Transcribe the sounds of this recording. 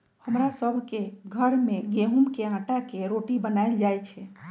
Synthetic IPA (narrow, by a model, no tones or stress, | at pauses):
həmɾasəbʱkeɡʱəɾmeɡeɦumkeãʈakeɾoʈibənaɪld͡ʒajt͡ʃʰɛ